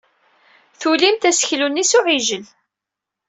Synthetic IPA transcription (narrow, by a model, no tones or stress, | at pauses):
θulimt̪æsə̥çlunːisʊʕiʒəl